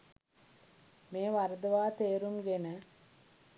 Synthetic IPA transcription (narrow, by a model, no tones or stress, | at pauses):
meːʋaɾəd̪əʋaːt̪eːɾumɡenə